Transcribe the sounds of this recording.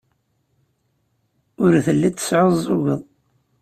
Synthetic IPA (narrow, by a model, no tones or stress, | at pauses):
ʊɾθəlːit̪ːə̥sʕozˤːʊʝəðˤ